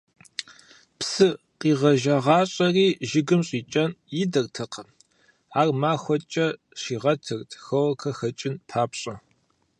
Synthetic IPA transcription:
psɨ | qiːʁɐʒɐʁɑːɕʼɐriːʒɪɡɨmɕʼiːt͡ʃʼɐnjɪdɐrtʰɐqʰɐ | aːrmaːxʷɔt͡ʃʼɐ | ɕiːʁɐtʰɨrtʰxɐwɐkʰɐxɐt͡ʃʼɪnpʰaːpɕʼɐ

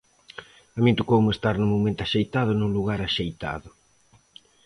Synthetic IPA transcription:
amĩnt̪okowmɪest̪aɾnʊmomẽnt̪ʊaʃejt̪aðʊnʊluɣaɾaʃejt̪a̰ðʊ

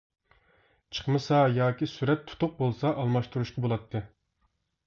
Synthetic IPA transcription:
t͡ʃʰə̥χmɨsɑjɑːkʲisyɾɛt̪ʰːu̥t̪ʰʊq̚bolˠsɑʔɑlˠmɑʃt̪uɾuʃqɑbolˠɑt̪ʰːɨ

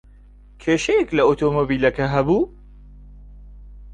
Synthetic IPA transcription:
kʰeːʃɐjɛklɐot̪ʰoːmobiːlɐkɐɦɐbuː

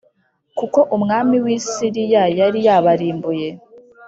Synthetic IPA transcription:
kuko̞ʔumŋaːmiwiːsiɾijajaɾijaːβaɾiːmbuje̞

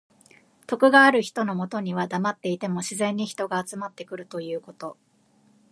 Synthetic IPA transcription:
t̪o̞kɯ̟ɡaːɾɯ̟çi̥t̪o̞no̞mo̞t̪o̞ɲ̟iβ̞ad̪amat̪ːe̞it̪e̞mo̞ɕizẽ̞ɲ̟ːiçi̥t̪o̞ɡaːt͡sɨmat̪ːe̞kɯ̟ɾɯ̟t̪o̞jɯ̟ːko̞t̪o̞

